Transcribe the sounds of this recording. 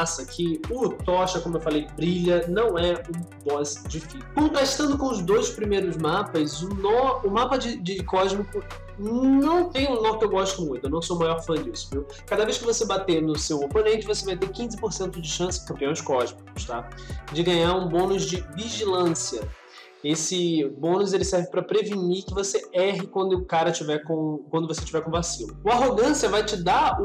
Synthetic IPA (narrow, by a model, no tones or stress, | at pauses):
asɐkʰɪʊt̪ɔʃɐkõmʊewfalejbɾiʎɐnɐ̃w̃ɛũbɔzd͡ʒifiskõt̪ɾaʃt̪ɐ̃nd̪ʊkõʊzd̪ojspɾimejɾʊzmapɐzʊnɔʊmapɐd͡ʒɪd͡ʒɪkɔʒmikʊ | nɐ̃w̃t̪ẽj̃ʊ̃nɔ̃kɪewɡɔʃt̪ʊmũj̃t̪ʊnɐ̃w̃somajɔɾfɐ̃d͡ʒisʊmew | kad̪ɐvejʃkɪvosebat̪enʊsewoponẽnt͡ʃɪvosevajt̪eɾkĩzɪpoɾsẽnt̪ʊd͡ʒɪʃɐ̃sɪ̥kɐ̃mpiɐ̃w̃d͡ʒɪkɔʒmikʊ̥ʃt̪ad͡ʒɪɡɐ̃ɲaɾũbõnʊzd͡ʒɪviʒilɐ̃siɐ | esɪbõnʊzelɪsɛɾvɪpɾɐpɾevinikɪvoseɛɦɪkwɐ̃nd̪ʊːkaɾɐt͡ʃivɛkõkwɐ̃nd̪ʊvoset͡ʃivɛɾkõvasĩnɐʊaɦoɡɐ̃siɐvajt͡ʃɪd̪a